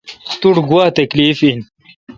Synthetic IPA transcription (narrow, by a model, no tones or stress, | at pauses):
t̪uɽɡwaːt̪ɐkliːfin